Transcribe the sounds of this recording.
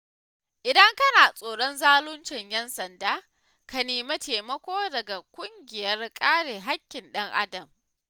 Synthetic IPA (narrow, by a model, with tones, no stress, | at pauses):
ʔɪ˨dɐ˦ŋkɐ˦naː˨sʼoː˨ɽɔ˦nzaː˦lʊ˦nt͡ʃɪ˨ɲjɛ˦nsɐ˨ndaː˦ | ka˨neː˨mɐ˦tʰeː˨mɐ˦kʷoː˦dɐ˨ɡa˨kʷʼʊ˦ŋɡʲɪ˨jɐ˦rkʼaː˦ɽeː˨ɦa˦kʲːɪ˨nɗɐ˦ŋʔa̰˦dɐ˨m